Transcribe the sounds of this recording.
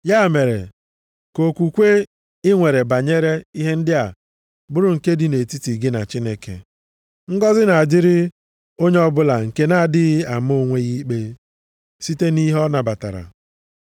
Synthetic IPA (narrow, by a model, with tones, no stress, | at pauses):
ja˦˨me˨ɾḛ˨ | ko˨kʷu˨kʷe˦ | ɪ˦ŋʷe˨ɾe˨ba˨ɲe˦ɾe˦i˦ɦe˦n̩˦dɪ˦a˨ | bʊ˦ɾʊ˨ŋ̩˨ke˦dɪ˨ne˨ti˦ti˨ɡɪ˦na̰˨t͡ʃi˦ne˦kḛ˨ | ŋ̩˦ɡɔ˦zɪ˦na˨a˨dɪ˦ɾɪ˦ | o˦ɲe˦ɔ˦bʊ˦la˨ŋ̩˨ke˦na˦a˨dɪ˦ɣa˨mo˦˨ŋʷe˦ɣi˦k͡pe˦ | si˦te˦ni˦ɦɔ˦na˨ba˨ta˨ɾa̰˨